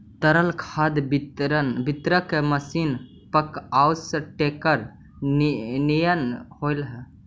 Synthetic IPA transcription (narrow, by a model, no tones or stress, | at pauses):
t̪əɾəlkʰad̪biɾənbɪt̪ɾəkeməsiːn | pəkawsʈekəɾ | nijənhoɪlɦɛ